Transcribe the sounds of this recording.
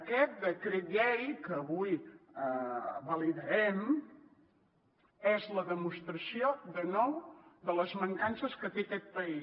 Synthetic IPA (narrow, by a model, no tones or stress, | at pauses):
əkɛt̪̚d̪əkɾet̪ʎɛjkəːβujəβəliðəɾɛm | ɛzləðəmust̪ɾəsioðənɔwðələzməŋkansəskət̪ekɛt̪̚pəi